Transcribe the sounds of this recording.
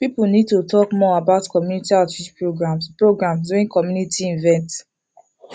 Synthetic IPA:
pipunid̚tutʰɔkmɔabaʊtkɔmjunitiatit͡ʃpɹoɡɹãmspɹoɡɹãmsduĩkɔmjunitiĩnvɛ̃nt

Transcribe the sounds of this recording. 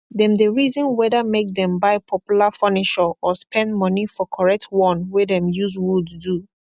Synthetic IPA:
dɛ̃mdəɹizɔ̃nwɛðəmek̚dɛ̃mbaɪpʰɔpjulafɔnɪʃəɔspʰɛ̃ndmɔnifɔkʰɔɹɛk̚tʰwɔ̃nwedɛ̃mjuzwuddu

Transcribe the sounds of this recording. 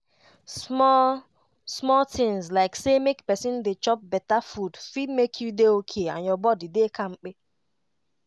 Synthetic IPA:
smɔ | smɔltĩŋzlaɪksemekpɛsĩndet͡ʃɔp̚bɛtafudfid̚mekʰjudeokʰeã̰njɔbɔdidekʰãmk͡pe

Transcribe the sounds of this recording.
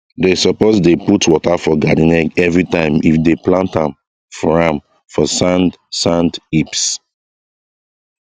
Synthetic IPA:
desɔpozdeputwɔtafɔɡadinɛɡɛvɹitãɪ̃mifdeplãntãm | fɔɹãm | fɔsãnd | sãndips

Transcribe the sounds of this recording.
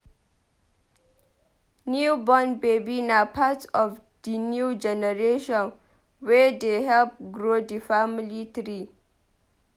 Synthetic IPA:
njubɔnbebinapʰatɔf | dinjud͡ʒɛnəɾeʃɔ̃n | wed̪eɦɛlp̚ɡɾodifamlit̪ʰɾi

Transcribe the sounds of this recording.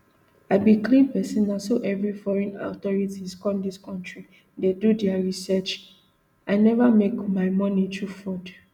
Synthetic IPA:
aɪbiklĩpɛsĩndasoʔɛvɹifɔɹɛ̃na̰tɔɹitiskɔ̃mdiskɔ̃ntɹi | dedudɛaɹisɛt͡ʃ | aɪnɛvamekmaɪmɔ̃nitufɔd

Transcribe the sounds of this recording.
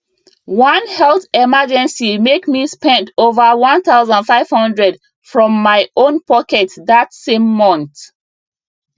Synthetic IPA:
wʌ̃nhɛlˠθɛmad͡ʒɛ̃nsimekmispɛ̃ntʰovəwʌ̃nθaʊzə̃ndfaɪv̥hʌ̃ndɹɛd | fɹɔ̃mːaɪõnpɔkɛtðatsẽmːʌ̃nθ

